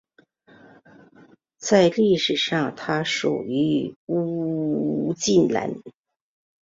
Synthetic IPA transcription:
t͡sa˥˧ɪli˥˩ʂɻ̩˨˩ʂɑ˥˧ŋt̪ʰa˥ʂṵ˨˩y˧˥u˥ | t͡ɕi˥˩nla̰˧˥n

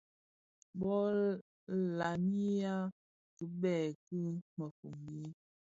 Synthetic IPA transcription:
bɔ˦ | la˨mi˦ja˦ | kə˨bɛ˨kə˦mə˨fu˨mbi˦

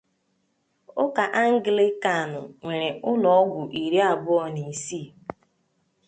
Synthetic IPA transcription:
ʊ˦ka˨ʔa˦ŋ̩˦ɡɪ˨lɪ˦ka˨nʊ̰˨ŋʷe˨ɾe˨ʊ˦lɔ˨ɔ˦ɡʷʊ˨ʔi˨ɾi˦a˦˨bʊ˦ɔ˨ni˨siː˦˨

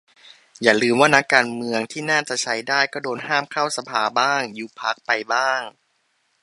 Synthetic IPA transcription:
jaː˨˩lɯː˧mwaː˥˩na˦˥kːaː˧nmɯ˧əŋt̪ʰiː˥˩naː˥˩t͡ɕa˨˩ʔt͡ɕʰa˦˥jdaː˥˩jkɔː˥˩doː˧nhaː˥˩mkʰa˥˩wsa˧pʰaː˩˦baː˥˩ŋjuː˨˩pʰa˦˥k̚pa˧jbaː˥˩ŋ

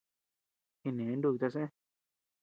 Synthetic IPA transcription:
i˧nẽ˨˦ndu˦˧i˧t̪a˧s̬ẽ˦

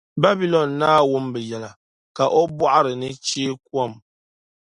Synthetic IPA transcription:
ba˦bi˦lɔ˨nːaː˦wu˦mbə˨jɛ˨la˨ | ka˨ʔɔ˦bwa˦ʔɾə˨nɨ˦t͡ʃi˦k̚wɔ˦˨m

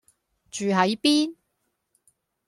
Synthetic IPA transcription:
t͡ʃyː˨ɦɐ˨˥jpiː˥n

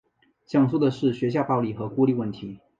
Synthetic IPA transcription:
ɕjɑ˨˩ŋsu˥˩d̪ə˨ʂɻ̩˥˩ɕɥɛ˧˥ɕ̬ja˥˧˩pɑ˥˧ʊli˥˩xɤ˧˥ku˥li˥˧wə˥˩nt̪ʰi˨˧˦

